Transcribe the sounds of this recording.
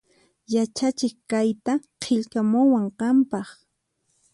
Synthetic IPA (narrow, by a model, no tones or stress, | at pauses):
jat͡ʃat͡ʃɪχkajt̪aqʰɪʎkamʊwaɴqɑmpɑχ